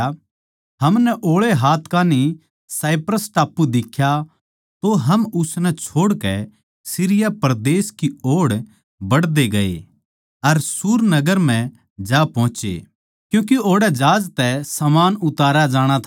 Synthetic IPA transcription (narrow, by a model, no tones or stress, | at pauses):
ɦɐmnɛʔoːɭeɦaːt̪ʰkaːni | saːɪpɾəsʈaːpːud̪ɪkʰːja | t̪oɦɐmʊsnɛt͡ʃʰoːɽkɛ | sɪɾɪjapɐɾd̪eːskioːɽ | bɐɽd̪eɡɐḛ | ɐɾsuːɾnɐɡəɾm̤ɛ̃ | d͡ʒaːpɔ̃ːt͡ʃḛ | kjũːk̬ioːɽɛd͡ʒaːd͡ʒt̪ɛsɐmaːnʊt̪aːɾad͡ʒaːɽ̃at̪ʰ